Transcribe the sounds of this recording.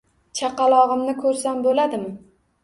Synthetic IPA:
t͡ʃʰɑqɑlˠɒʁɨmnɪkʰɵɾsambolad̪ɪmɪ

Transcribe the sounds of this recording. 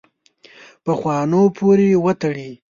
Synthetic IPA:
pəxwɑnopʰoɾewət̪əɽi

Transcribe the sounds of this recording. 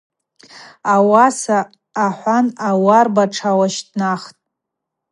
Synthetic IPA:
awasaː | ħʷanawarbaʈ͡ʂʰawaʃdnaχtʼ

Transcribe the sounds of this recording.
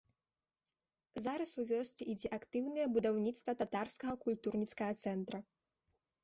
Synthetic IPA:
zaɾɐsuvʲɔsʲt͡sʲiʔid͡zʲɛʔakt̪ɨwnɐjɛbud̪awnʲit̪st̪vɐt̪at̪arskɐɣɐkulʲt̪urnʲitskɐɣɐt̪sɛnt̪ɾɐ

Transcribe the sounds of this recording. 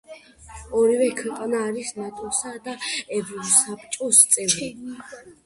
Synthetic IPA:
ɔɾivɛkʰwɛqʼanaːɾisnat̪ʼɔsad̪aɛbɾsapʰʼt͡ʃʼɔst̪sʼɛvi

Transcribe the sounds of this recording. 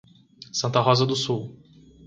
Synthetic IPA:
sɐ̃t̪ɐɦɔzɐd̪ʊsuw

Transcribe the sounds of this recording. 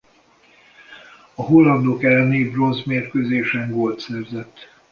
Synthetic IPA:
ɒɦolːɒnd̪oːkɛlːneːbro̞nzmeːrkøzeːʃɛŋɡolt̪sɛrzɛt̪ː

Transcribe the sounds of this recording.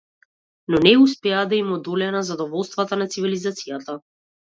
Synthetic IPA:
nɔnɛuspɛad̪aimɔd̪ɔlɛnazad̪ɔvɔlˠst̪vat̪anat̪sivilizat̪sijat̪a

